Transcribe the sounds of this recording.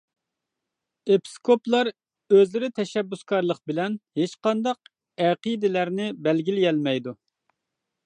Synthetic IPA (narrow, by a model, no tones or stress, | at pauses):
epʰi̥skʰoplˠɑɾ | øzlɪɾɪt̪ʰɛʃɛbːyskʰɑɾlˠəqbɪlɛnhet͡ʃqɑnd̪ɑq̚ | ɛqid̪ɪlæɾnɪbɛlɡʲiljɛlmɛjd̪u